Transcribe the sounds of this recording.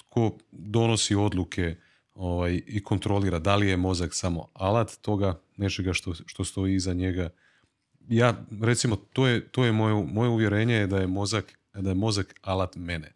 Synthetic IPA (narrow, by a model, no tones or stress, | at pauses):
kʰo̞d̪o̞no̞sio̞d̪lˠukʰe̞ | o̞ʋajiko̞nt̪ɾo̞liːɾad̪alije̞mo̞zaksamo̞̰alˠat̪ːo̞ɡa | ne̞t͡ʃe̞ɡaʃt̪oʃt̪o̞st̪o̞iizaɲe̞ɡa | jaːɾe̞t̪simot̪oːjet̪ojemo̞jomo̞jeuʋje̞ɾe̞ːɲejed̪aje̞mo̞zak | d̪ajemo̞zakalat̪mene